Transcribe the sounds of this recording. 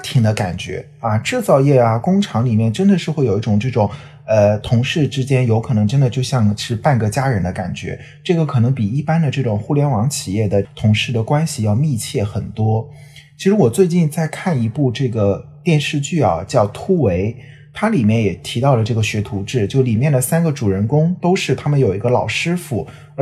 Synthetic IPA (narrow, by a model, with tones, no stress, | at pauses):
t̪ʰi˨˩ŋd̪ə˦ka̰˨˩nt͡ɕɥɛ̰˧˥ | ɐ˧ʈ͡ʂɻ̩˥˧t͡sɑ˥˧ʊjɛ˥˩ɐ˩kʊ˥ŋʈ͡ʂʰɑ˧˥ŋli˨˩mjɛ˥˩nʈ͡ʂə˥nd̪ə˨ʂɻ̩˥˧xwe˥˩jo˨˩i˥ʈ͡ʂʊ˨˩ŋʈ͡ʂɤ˥˩ʈ͡ʂʊ˨˩ŋ | ə˧t̪ʰʊ˧˥ŋʂɻ̩˥˩ʈ͡ʂɻ̩˥t͡ɕjɛ˥njo˧˥ʊkʰɤ˨˩nɤ˧˥ŋʈ͡ʂə˥nd̪ə˨˧t͡ɕjo˥˧ʊɕjɑ˥˧ŋʂɻ̩˥˧pa˥˩nɡə˥˩t͡ɕja˥ɻə˧˥nd̪ə˧ka̰˨˩nt͡ɕɥɛ̰˧˥ | ʈ͡ʂɤ˥˩ɡə˩kʰɤ˨˩nɤ˧˥ŋpi˨˩i˥˩pa˥nd̪ə˨ʈ͡ʂɤ˥˩ʈ͡ʂʊ˨˩ŋxu˥˩ljɛ˧˥nwɑ˧˥ŋt͡ɕʰi˨˩jɛ˥˩d̪ə˩t̪ʰʊ˧˥ŋʂɻ̩˥˩d̪ə˩kwa˥nɕi˨jɑ˥˧ʊmi˥˧t͡ɕʰjɛ˥˩xə˨˩nt̪wɔ˥ | t͡ɕʰi˧˥ʂɻ̩˧˥wɔ˨˩t͡swe˥˧ɪt͡ɕi˥˧nt͡sa˥˧ɪkʰa˥˩ni˧˥pu˥˧ʈ͡ʂɤ˥˩ɡə˩ | t̪jɛ˥˧nʂɻ̩˥˧t͡ɕy˥˩ɐ̰˨˩t͡ɕjɑ˥˩ʊt̪ʰu˥we˧˥ɪ | t̪ʰa˥li˨˩mjɛ˥˩njɛ˨˩t̪ʰi˧˥t̪ɑ˥˩ʊlə˩ʈ͡ʂɤ˥˩ɡə˩ɕɥɛ˧˥t̪ʰu˧˥ʈ͡ʂɻ̩˥˩t͡ɕjo˥˩ʊli˨˩mjɛ˥˩nd̪ə˩sa˥nɡə˨˩ʈ͡ʂu˨˩ɻə˧˥nkʊ˥ŋt̪o˥ʊʂɻ̩˥˩t̪ʰa˥mə˨njo˨˩ʊi˧˥ɡə˧lɑ˨˩ʊʂɻ̩˥fu˨˩˧